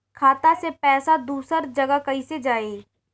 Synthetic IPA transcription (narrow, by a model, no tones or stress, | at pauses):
kʰaːt̪asepɛːsad̪uːsəɾd͡ʒɐɡakɐised͡ʒaːe